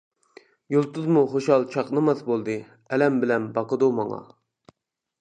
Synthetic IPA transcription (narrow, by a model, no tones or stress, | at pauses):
jolˠt̪uzmuχoʃhɑlˠt͡ʃʰɑqnɨmɑsbolˠd̪ɨ | ɛlɛmbɪlɛnbɑqəd̪umɑ̰ŋɑ̰